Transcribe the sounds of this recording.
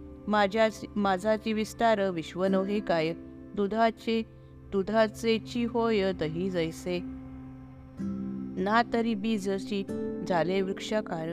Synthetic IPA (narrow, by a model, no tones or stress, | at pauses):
mad͡ʑamad͡zʱat͡ɕiʋist̪aɾəʋiɕʋənəʋɦekajə | d̪ud̪ʱat͡ɕe | d̪ud̪ʱat͡set͡ɕiɦojəd̪əɦid͡zəjse | nat̪əɾibid͡zəɕid͡zʱaleʋɾikʂaka